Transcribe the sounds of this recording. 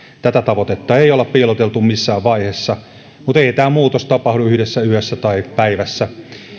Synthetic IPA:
t̪æt̪æt̪ɑʋot̪et̪ːɑeiolɑppiːlot̪elt̪ummisːæːʋʋɑihesːɑ | mut̪eit̪æːmuːt̪ost̪ɑpɑhduyhɾesːæyhøsːæt̪ɑipæiʋæsːæ

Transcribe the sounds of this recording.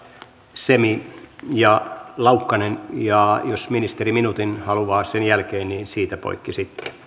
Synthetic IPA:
semijɑlɑukːɑnenjɑjosminist̪eriminut̪inhɑluʋɑːsenjælkeːnniːnsiːt̪æpo̰ikːisit̪ːe̥

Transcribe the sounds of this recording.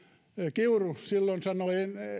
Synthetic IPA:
kiurussilːonsɑnoien

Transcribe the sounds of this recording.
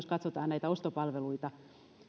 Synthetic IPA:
skɑt̪sot̪ɑːnnæit̪æost̪opɑlʋeluit̪ɑ

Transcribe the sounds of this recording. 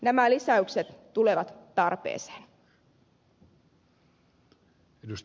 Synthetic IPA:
næmælisæykset̪ːuleʋɑt̪ːɑrpḛːse̥ːn | edust̪

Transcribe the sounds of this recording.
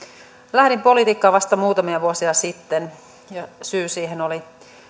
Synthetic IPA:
læhɾimpo̞lit̪iːkːɑːʋɑst̪ɑmuːt̪ɑmiɑʋuosiɑsit̪ːen | jɑsyːsiːɦenoli

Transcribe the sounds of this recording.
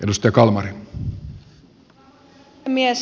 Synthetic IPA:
ʔedust̪ɑjɑkɑlmɑɾi | mies

